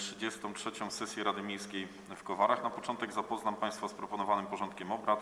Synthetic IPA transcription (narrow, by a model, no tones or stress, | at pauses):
tʂɘd͡ʑɛst̪ɔ̃w̃tʂɛt͡ɕɔ̃w̃sɛsʲjɛɾad̪ɘmʲejskʲej | fkɔvaɾaxnapɔt͡ʂɔnt̪ɛɡzapɔznampaj̃st̪faspɾɔpɔnɔvanɘmpɔʐɔnt̪kʲɛmɔbɾat̪